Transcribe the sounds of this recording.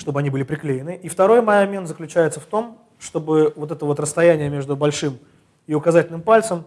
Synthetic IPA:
ʂt̪o̞bɨɐnʲibɨlʲɪpɾʲɪklʲejɪnɨʔift̪ɐɾo̞jmɐjɐmʲent̪zəklʲʉt͡ɕæjɪt̪səft̪o̞m | ʂt̪o̞bɨvo̞t̪ɛt̪əvo̞t̪rəst̪ɐjænʲɪjəmʲe̞ʐd̪ʊbɐlʲʂɨm | iʊkɐzatʲɪlʲnɨmpalʲt̪səm

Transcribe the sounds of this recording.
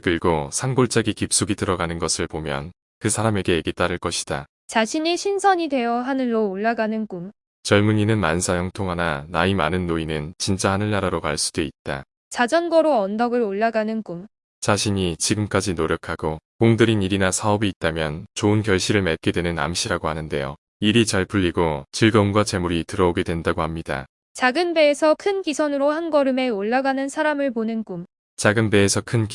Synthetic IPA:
kɯɾiɡosʰaŋɡoɭt͡ɕ͈aɡikip̚s͈uɡitɯɾʌɡanɯnɡʌsʰɯɭpomjʌ̰n | kɯsʰaɾame̞ɡe̞ːɡet͈aɾɯɭk͈ʌɕʰi̥d̥a | t͡ɕaɕʰiɲiɕʰinsʰʌɲidwe̞jʌɦanɯːoːɭːaɡanɯnkum | t͡ɕʌɭmuɲinɯnmansʰajʌŋtʰoŋɦananaima̰nɯnːoinɯnt͡ɕint͡ɕ͈ahanɯɭːaɾaɾoka̰ɭs͈u̥deit̚t͈a | t͡ɕad͡ʑʌnɡʌɾoʌndʌɡɯɾoɭːaɡanɯnkum | t͡ɕaɕʰiɲit͡ɕiɡɯmk͈ad͡ʑinoɾjʌkʰaɡokoŋdɯɾiniɾinasʰaʌbiːt̚t͈amjʌnt͡ɕoɯnkjʌɭɕ͈ʰiɾɯɭmet̚k͈e̞dwenɯna̰mɕʰiɾaɡohanɯnde̞̰jo | iɾit͡ɕaɭpuʎːiɡot͡ɕiɭɡʌnɡwat͡ɕe̞muɾitɯɾʌoɡedwendaɡohamɲida̰ | t͡ɕaɡɯnbe̞ːsʰʌkʰɯnkisʰʌnɯɾohanɡʌɾɯme̞oɭːaɡanɯnsʰaɾamɯɭponɯnɡum | t͡ɕaɡɯnbe̞ːsʰʌkʰɯn

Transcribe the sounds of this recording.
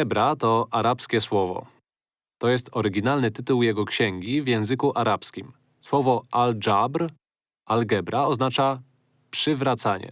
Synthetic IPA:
ɛbɾat̪ɔʔaɾapskʲɛswɔvɔ̰ | t̪ɔjɛst̪ɔɾɘɡʲinalnɘt̪ɘt̪uwjɛɡɔkɕɛŋɡʲivjɛ̃w̃zɘkuʔaɾapskʲim | swɔvɔʔald͡ʐabɾ | ʔalɡɛbɾaɔznat͡ʂa | pʂɘvɾat̪saɲɛ̰

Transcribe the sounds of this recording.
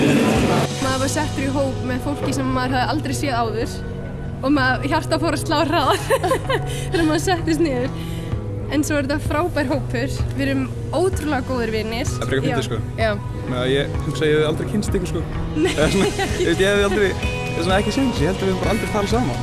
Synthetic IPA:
aamaːðvaɾsɛht̪ʏɾiɦoːwpmɛðfowl̥cɪsɛmamːaðɪɾ̥hɦaðɪalt̪ɾejsjɛːðaːwðʏɾ̥ | ɔɣmɛðçar̥t̪afawɾast̪laːwra | ɛɾmaðsɛht̪ɪs̬t̪nɪːðʏɾ̥ | ɛnsɔɛɾθafɾaːwpajɾ̥ɦoːwpfʏɾ̥vɪɾʏm | oːwt̪ɾʏlɛɣakoːwðʏɾvɪnːɪsapɾɛːkfɪt̪ɪskɔjaːw | mɛajɛhʏksajɛalt̪ɾejcʰɪnst̪ɪːkʏ̥skɔ | nasɔnɪst̪jɛhɛðalt̪ɾej | ɛðasɔnaɛhcɪsɛnt̪ɪsjɛhɛlt̪avɪɾʏmpaɾaalt̪ɾejθaːɾasaːma

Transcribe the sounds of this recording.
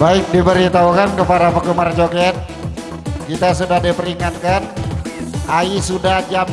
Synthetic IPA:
baɪk̚dibəɾit̪aɦukankəpaɾapəɡəmard͡ʒokɛt̪̚ | kit̪asudahdipəɾiŋat̪̚kan | aisudahd͡ʒam

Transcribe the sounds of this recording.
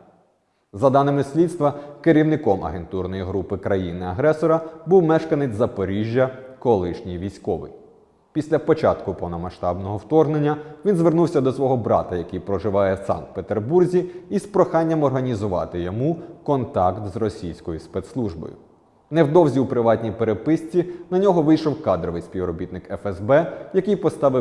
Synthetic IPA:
zɐd̪ɑnɪmɪsʲlʲit̪st̪ʋɐkeɾʲiwnɪkɔmʔɐ̰ɦent̪urnɔjiɦɾupɪkɾɐjinɪɐɦɾɛsɔɾɐbuwmɛʃkɐnɪt͡sʲzɐpɔɾʲiʒʲjɐkɔlˠɪʃnʲijʋʲijsʲkɔʋɪ̰j | pʲisʲlʲɐpɔt͡ʃɑ̰t̪kʊpɔwnɔmɐʃt̪ɑbnɔɦɔwt̪ɔrɦnenʲːɐʋʲinzʋernuwsʲɐd̪ɔsʋɔɦɔbɾɑ̰t̪ɐjɐkɪjpɾɔʒɪʋɑjɛsɑ̰nt̪̚pet̪erburzʲiːspɾɔxɑnʲːɐmɔrɦɐnʲizʊʋɑ̰t̪ɪjɔmukɔnt̪ɑkt̪zrɔsʲijsʲkɔjʊspɛt̪slˠuʒbɔ̰jʊ̰ | nɛwd̪ɔwzʲiupɾɪʋɑt̪ʲnʲipeɾepɪsʲt͡sʲinɐnʲɔɦɔʋɪjʃɔwkɑd̪ɾɔʋɪjsʲpʲiʋrɔbʲit̪̚nɪkɛfɛzbɛjɐkɪjpɔst̪ɑʋɪ

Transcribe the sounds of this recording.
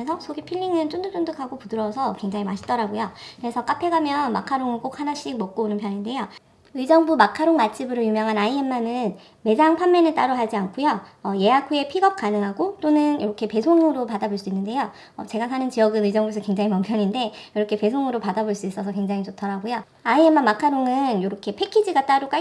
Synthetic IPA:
esʰʌsʰoɡipʰiʎːiŋɯnt͡ɕ͈ondɯk̚t͡ɕ͈ondɯkʰaɡopudɯɾʌsʰʌkwe̞ŋd͡ʑaŋɦimaɕʰi̥t͈ʌɾaɡojokɯɾe̞sʰʌk͈apʰe̞ɡamjʌnma̰kʰaɾoŋɯɭk͈ok̚hanaɕ͈ik̚mʌk̚k͈oonɯnpʰjʌɲinde̞jo | ɯid͡ʑʌŋbumakʰaɾoŋmat͡ɕʰibɯɾɯɭjumjʌŋɦanaie̞mːanɯn | me̞d͡ʑaŋpʰamːe̞nɯɭt͈aɾoɦaɭd͡ʑiankʰojoʌje̞akʰue̞pʰiɡʌp̚k͈anɯŋɦaɡot͈onɯnjoɾʌkʰe̞pe̞sʰoŋɯɾopadaboɭs͈uinːɯnde̞jo | ʌ̰t͡ɕe̞ɡas̬ʰanɯnt͡ɕijʌɡɯnɯid͡ʑʌŋbusʰɯkwe̞ŋd͡ʑaŋimampʰjʌɲinde̞joɾʌkʰe̞pe̞sʰoŋɯɾopadaboɭs͈uis͈ʌsʰʌkweŋd͡ʑaŋit͡ɕotʰʌɾaɡojo | aie̞mːamakʰaɾoŋɯnjoɾʌkʰe̞pʰe̞kʰid͡ʑiɡat͈aɾok͈a

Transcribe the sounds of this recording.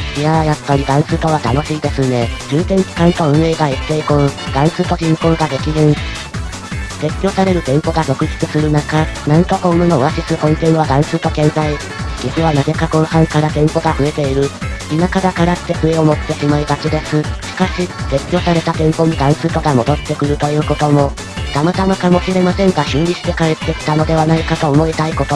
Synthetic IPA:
jajapːaɾʲid̪ãɰ̃t͡sɨːt̪o̞βat̪ano̞ɕiːd̪e̞sɨne̞d͡ʑɨːt̪ẽ̞nt͡ɕi̥kãnt̪oɯ̟̃ɰ̃e̞ːɡait̪ːe̞ːkõɰd̪ãɰ̃t͡sɨːt̪o̞k̪ẽmkõ̞ŋɡad̪e̞kʲizẽɰ | se̞kʲːo̞ːsaɾe̞ɾɯ̟t̪ẽ̞mpo̞ɡazo̞kɯ̟ʑi̥t͡sɨsɨɾɯ̟nakanãnt̪okõ̞mɯ̟noβaɕisɨkõ̞nt̪ẽ̞ɰ̃β̞ad̪ãɰ̃t͡sɨːt̪o̞kẽ̞nzai | kikɯ̟βanaze̞kakõhãŋkaɾat̪ẽ̞mpo̞ɡaɸɯ̟e̞t̪e̞iɾɯ̟inakaɡakaɾat̪ːe̞ɸɯ̟e̞o̞mo̞t̪ːe̞ɕimaid̪aked̪e̞sɨɕi̥kaɕise̞kʲo̞ːsaɾe̞t̪at̪ẽ̞mpo̞ɲ̟id̪ãɰ̃sɨːt̪o̞ɡamo̞d̪o̞t̪ːe̞kɯ̟ɾɯ̟t̪o̞jɯ̟ːko̞t̪o̞mo̞ | t̪amat̪amakamo̞ɕiɾe̞masẽ̞ŋɡaɕĩnɾʲiɕi̥t̪e̞kaɾet̪ːe̞kʲi̥t̪ano̞d̪e̞βanaikat̪o̞ːmo̞et̪aiko̞t̪o̞

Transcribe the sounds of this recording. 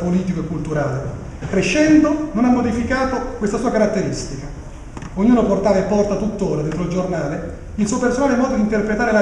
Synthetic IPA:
poliːt̪ikoekːult̪uɾaːle | kɾeʃːɛnd̪ononamːod̪ifikaːt̪okwest̪asuːakaɾat̪ːeɾist̪ika | oɲːuːnoport̪aːvaepːɔrt̪at̪ut̪ːoːɾad̪ɛnt̪ɾold͡ʒornaːle | ilsuopersonaːlemɔːd̪od̪int̪erpɾet̪aːɾela

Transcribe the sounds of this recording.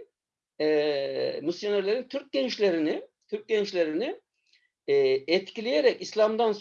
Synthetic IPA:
ɛmisjʲonaɾlʲeɾint̪ʰyɾc̚ɟɛnt͡ʃlʲeɾinɪt̪ʰyɾc̚ɟɛnt͡ʃlʲeɾinɪ | ɛt̪cʰilʲijeɾɛcislʲˠamd̪ans

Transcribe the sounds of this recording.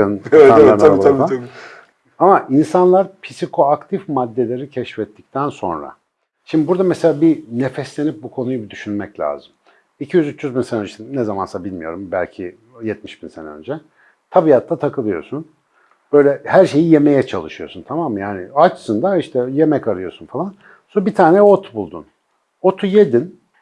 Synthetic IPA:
ɯnaanaa | amaʔinsanlˠaɾpʰisikʰo̞akt̪ʰifmad̪ːe̞lʲe̞ɾicʰɛʃfɛt̪ʰːic̚t̪ʰænso̞̰nɾa̰ | ʃimb̪ibuɾd̪amɛselʲaːbinefɛslʲe̞nip̚bukʰo̞nujubid̪yʃynmɛclʲa̰ːzɯm | icʰijyzyt͡ʃːjyzbinsenønd͡ʒnɛzamansabilʲmijo̞ɾumbælʲcʰi | jɛt̪miʃb̥insenɛø̰nd͡ʒɛ | t̪ʰabijat̪lˠat̪ʰakʰɯlˠɯjo̞̰ɾsun | b̥ø̞jlʲɛhæɾʃe̞jije̞me̞jɛt͡ʃʰalˠɯʃɯjo̞sunt̪ʰamamːjaːnɪat͡ʃsɯnd̪aiʃt̪ʰɛje̞mɛcaɾɯjo̞̰sunfalˠan | sobit̪ʰaːnɛot̪ʰubulˠd̪ṵn | ot̪ʰujed̪in

